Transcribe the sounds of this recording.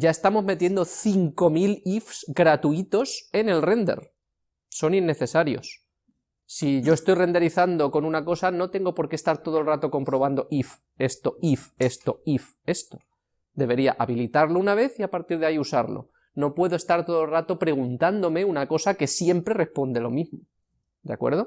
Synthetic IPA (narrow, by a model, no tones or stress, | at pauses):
ɟ͡ʝae̞st̪amo̞zme̞t̪je̞nd̪o̞θiŋko̞milifsɡɾat̪uit̪o̞se̞ne̞lre̞nd̪e̞̰ɾ | so̞ninːe̞θe̞saɾjo̞̰s | siʝo̞e̞st̪o̞jre̞nd̪e̞ɾiθand̪o̞ko̞nunako̞sano̞t̪e̞ŋɡo̞po̞ɾke̞st̪aɾt̪o̞ðolrat̪o̞ko̞mpɾo̞β̞and̪o̞ʔif | e̞st̪o̞ife̞st̪o̞if | e̞st̪o̞̥ | d̪e̞β̞e̞ɾiaʔaβilit̪aɾlo̞unaβ̞e̞θiapaɾt̪iɾð̞aiusaɾlo̰ | no̞pwe̞ðoe̞st̪aɾt̪o̞ðolrat̪opɾe̞ɣ̞unt̪and̪o̞me̞unako̞sake̞sje̞mpɾe̞re̞hpo̞nd̪e̞lo̞mizmo | d̪ea̰kwe̞̰ɾðo̞